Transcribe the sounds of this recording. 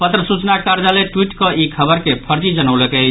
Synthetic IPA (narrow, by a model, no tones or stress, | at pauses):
pət̪ɾəsut͡ʃnakaɾd͡ʒaleʈwiʈkɔʔikʰəbəɾkepʰəɾd͡ʒid͡ʒənəwlekɛt͡ʃʰ